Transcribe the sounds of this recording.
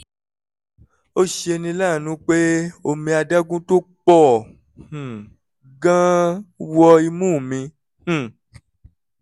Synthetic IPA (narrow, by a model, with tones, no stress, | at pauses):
o˦ʃe˧nĩ˧la˦˨nũ˦k͡pe˦o˧mĩ˧a˧da˦ɡũ˦to˦k͡pɔ˦˨ | h̩˨ | ɡã˦wɔ˧i˧mũ˦˨mĩ˧ | h̩˨